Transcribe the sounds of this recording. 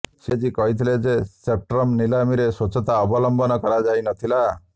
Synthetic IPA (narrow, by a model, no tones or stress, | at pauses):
sed͡ʒikɔɦit̪ʰiled͡ʒesep̚ʈɾɔmnilamiɾesot͡ʃɔt̪aɔbɔlɔmbɔnɔkɔɾad͡ʒajnɔt̪ʰila